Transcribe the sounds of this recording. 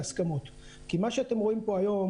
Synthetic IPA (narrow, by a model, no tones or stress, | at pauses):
askamot̪ | kimaʃeat̪emʁo̞impo̞ajo̞m